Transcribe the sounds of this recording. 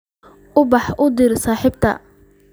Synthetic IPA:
ʔʊbɑħʔʊd̪iɾsaːħɪbt̪ʰɐ̰

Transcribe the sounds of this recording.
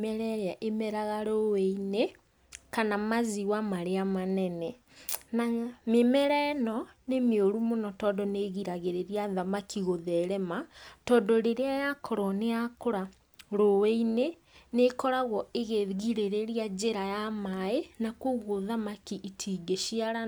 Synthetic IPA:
mɛɾɛɾaʔemɛɾaɣaɾoweine | kanamaziwamaɾeamanɛnɛ | namemɛɾɛnɔnemeoɾumonɔtɔːndɔneɣiɾaɣeɾeɾiaðamakiɣoðɛɾɛmatɔːndɔɾeɾeajakʰɔɾɔneakoɾa | ɾoweine | nekɔɾaɣɔeɣeɣiɾeɾeɾiad͡ʒeɾajamaenakoɣoðamakiʔitʰiːɡeʃiaɾa

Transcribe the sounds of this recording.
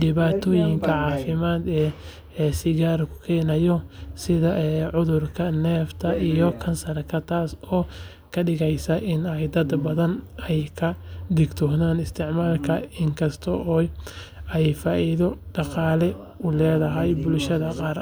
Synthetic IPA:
ɖɪβaːt̪ʰɔːjɪŋkʰɐʕɑːfɪmaːd̪ɛː | sɪɣaːrkʰʊ̥kʰɛːnɐjɔsɪðɐʔʕʊðʊrkʰɐnɛːft̪ʰɐijɔkʰɐnsɐrkʰɐt̪ʰaːsɔː | kʰɐɖɪɣɛjsɐʔɪnɛjd̪ɐd̪bɐðɐnɛjkʰɐd̪ɪɡt̪ʰɔhnaːnɪst̪ʰɪʕmaːlkʰɐɪŋkʰɐst̪ʰɔʔɔː | ɛjfaːʔɪðɔɖɑqɑːlɛ | ʊlɛːðɐɦɐjbʊlʃɐðɐqɑːɾ

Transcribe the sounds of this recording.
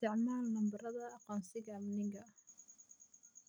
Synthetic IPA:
t̪ɪʕmaːlnɐmbɐrɐðɐːqɔːnsɪɣɐːmnɪŋɡɐ

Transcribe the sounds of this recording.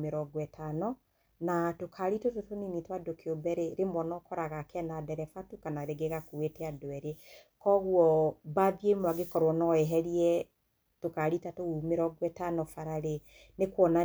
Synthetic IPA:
meɾɔɡwɛtanɔ | natokʰaɾitototoninitwadokeobɛɾeɾemwɔnɔkɔɾaɣakɛnadɛɾɛfatukanaɾeɡeɣakowetɛadoɛɾekɔɣwɔbaðiemwaɡekɔɾwɔnɔeɦɛɾiɛ | tokaɾitatoumeɾɔɡwɛtanɔfaɾaɾe | nekwɔna

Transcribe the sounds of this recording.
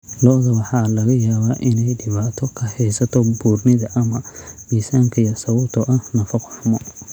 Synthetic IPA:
lɔːðɐwɑħɑlɐɣɐjaːβaːʔɪnɛjɖɪβaːt̪ʰɔkʰɐhɛjsɐt̪ʰɔbuːrnɪðɐʔɐmɐmiːsaːŋkʰɐjɐsɐwɔt̪ʰɔʔɐhnɐfɐqɔħʊmɔ

